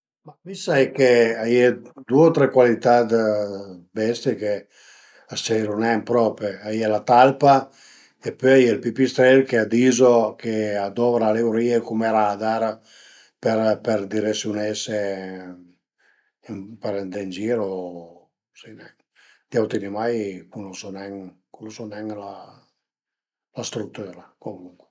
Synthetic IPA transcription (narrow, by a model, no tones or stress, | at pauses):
mamisːaɛkːeajed̪ueot̪ɾɛkwalit̪ad̪ | bɛst̪jeke | at͡ʃɛɾunɛmpɾɔpeajɛlat̪alpa | epːøajelpipist̪ɾɛlkead̪izokead̪ɔvɾalewɾiekumeɾad̪aɾ | pɛɾpɛɾd̪iɾesjunɛse | peɾɛnd̪eind͡ʒiːɾo | sinɛŋ | d̪̥iawt̪inimajkunɔsɔnɛŋkulosɔnɛŋla | last̪ɾut̪ːyːɾakomuŋkwe